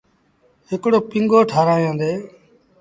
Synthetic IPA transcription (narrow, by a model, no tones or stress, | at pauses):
ɦɪkɽoːpɪŋɡoːʈʰaːɾaːjõːd̪eː